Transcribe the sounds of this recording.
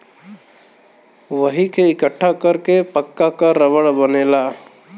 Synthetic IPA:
ʋəɦikeɪkəʈʰːakəɾkepəkːakəɾəbəɽbənela

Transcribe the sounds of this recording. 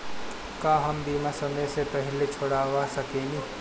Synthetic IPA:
kãːɦəmb̪iːmasəməjsepəɦɪlet͡ʃʰoɽaːwasəkẽːɡi

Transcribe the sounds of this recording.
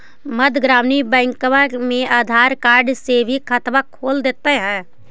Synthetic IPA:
məd̪ʱɡɾaːmnibɛ̃ːŋkʋãmẽaːd̪ʱaːɾkaːɾɖsebʱikʰət̪ʋakʰoːld̪eːt̪eɦɛ̃ː

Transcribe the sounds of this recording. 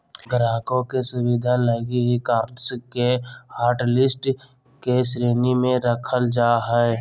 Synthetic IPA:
ɡəɾaːkõkesʊwɪd̪ʱaləɡiɦikaːɾɖskehaːɾʈlɪsʈ | kesɾeːnimẽɾəkʰəld͡ʒaːɦɛɛ

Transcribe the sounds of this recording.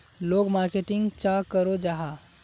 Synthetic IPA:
loɡmaɾkeʈĩŋɡt͡ʃakəɾod͡ʒaɦa

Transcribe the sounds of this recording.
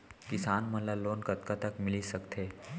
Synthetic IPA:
kisanməlalonkət̪kat̪əkmilisəkt̪ʰe

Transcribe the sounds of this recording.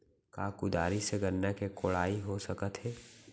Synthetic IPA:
kaːkud̪a̰ːɾiseɡəɾːakekoɭaːiɦosəkət̪ɦɛː

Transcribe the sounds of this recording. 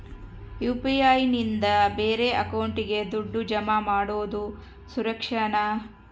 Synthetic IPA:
juːpiaːjnind̪ɐbe̞ːɾe̞ɐkɐwɳʈiɡe̞d̪uɖːud͡ʒɐmamaːɽoːd̪u | suɾɐkʂɐɳɐ

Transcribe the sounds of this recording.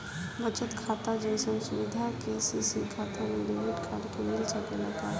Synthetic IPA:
bət͡ʃʰət̪kʰat̪ad͡ʒə̃səmsuʋid̪ʱakesisikʰat̪ʰameɖeʋiʈkʰaɽkemɪlsəkelat̪a

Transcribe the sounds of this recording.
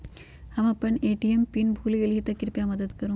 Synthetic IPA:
ɐmɐpːɐneːʈːijɐmpinbʱuːliɐlɪɣɪt̪ːɐkɪɾpijaːmɐðɐðɯkɐɾɯ

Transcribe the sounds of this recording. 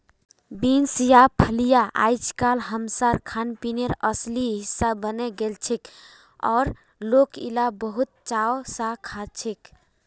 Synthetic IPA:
binsjapʰəlijaʔa̰jt͡ʃʰkalɦəmsaɾkʰanpineɾəsliɦisːabəneɡelt͡ʃʰik | ɔ̰ːɾ | lokḭlabəɦut̪̚t͡ʃaosakʰat͡ʃʰik

